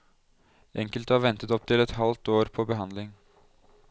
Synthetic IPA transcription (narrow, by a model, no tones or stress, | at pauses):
ʔɛŋkəlt̪əɑːɾʋɛnt̪ət̪ɔp̚t̪ʰɪlɛt̪hɑlt̪oːɾpʰoːbəɦɑnd̪lɪŋ